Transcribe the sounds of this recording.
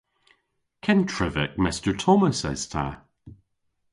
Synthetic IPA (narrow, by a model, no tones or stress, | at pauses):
kʰɛ̃ntʰɹ̥ɪvɪ̰k̚mɪstə˞tʰɔməsɛ̰z̥tʰa̰